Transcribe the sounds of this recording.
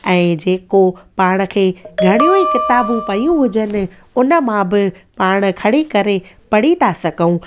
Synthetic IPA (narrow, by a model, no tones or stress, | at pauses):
ɛ̃ːd͡ʑeːkopaːɽ̃ə̆kʰeːɡʱɐɽ̃ijõikɪt̪aːbʊpɐjũɦʊd͡ʑənɪ̆ | ʊnə̆mãbɪpaːɽ̃̆kʰɐɽikɐɾepɐɽit̪ʰasɐɡʱəũ